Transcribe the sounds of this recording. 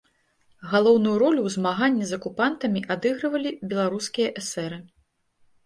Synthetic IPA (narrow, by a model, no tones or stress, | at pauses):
ɣalˠɔwnujuɾɔlʲuwzmaɣanʲːizɐkupant̪ɐmʲiʔad̪ɨɣɾɐvɐlʲibʲɛlˠaɾuskʲijɐʔɛsɛɾɨ